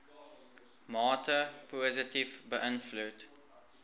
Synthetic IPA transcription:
mɑːtʰəpʰɔzɪtɪvbəʔɪ̃nflut

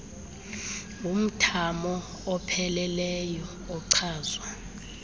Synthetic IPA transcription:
um̩tʰamɔː | pʰɛlɛlɛjɔ | ɔǀʰaːzwa

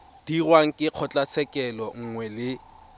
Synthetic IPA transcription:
d̥irwaŋ̩kʼɪq͡χʰɔt͡ɬʼat͡sʰɛkʼɛlɔŋ̩ŋwɛlɪ

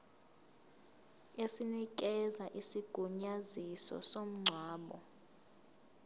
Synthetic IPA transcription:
esinik̬ɛzaʔisiɡ̥ʱuɲazisɔ̰som̩ŋ͡ǀʱwaːɓɔ

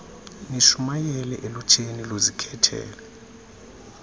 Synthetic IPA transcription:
niʃumajɛlɛʔelut͡ʃʰʼenilozikʰɛtʰɛ̰ːlɛ

